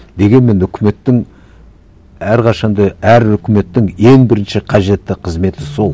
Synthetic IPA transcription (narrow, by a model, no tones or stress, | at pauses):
d̪e̞ɡʲe̞nme̞nʏkʲʰɪme̞t̪ːɪŋ | æɾqʰɑʃɑnd̪ɑæɾʏkʲʰɪme̞t̪ːɪŋe̞ŋbɪɾɪnʃɪqʰɑʒe̞t̪ːɪqʰəzme̞t̪ɪso̞lˠ